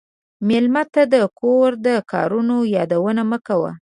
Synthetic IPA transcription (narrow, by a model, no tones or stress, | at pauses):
mɪlmat̪ad̪əkoɾd̪əkʰɑ̰ɾunojɑd̪awənaməkawa̰